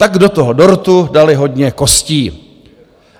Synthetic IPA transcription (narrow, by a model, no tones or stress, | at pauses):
t̪aɡdo̞t̪oɦodo̞ɾt̪udalɪɦo̞dɲɛko̞sciː